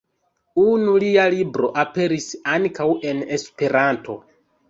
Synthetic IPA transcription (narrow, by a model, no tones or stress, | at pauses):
unulialibɾo̞ʔape̞ɾisaŋkawe̞ne̞spe̞ɾantʰo̞̰